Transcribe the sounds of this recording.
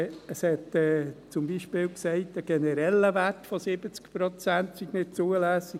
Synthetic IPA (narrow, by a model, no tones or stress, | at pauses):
əshɛtɛːt͡sʊmbiʃpɪːlksɛɪt̚dəɡ̥ɛnəɾɛlːəvætfosɪbət͡skpɾot͡sæntsiɡnɪt̚t͡suəlæːsiɡ